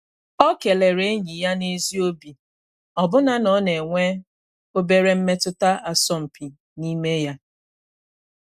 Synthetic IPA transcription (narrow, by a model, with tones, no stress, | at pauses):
ɔ˦ke˨le˨ɾe˨˦e˦ɲi˨ja˦ne˦zi˦o˦bi˨ | ɔ˨bʊ˦na˦nɔ˨˦ne˨ŋʷe˦ | o˦be˦ɾe˦m̩˦me˦tʊ˦ta˦ʔa˨sɔ˦m̩˨pi˨ | ni˦me˦ja˦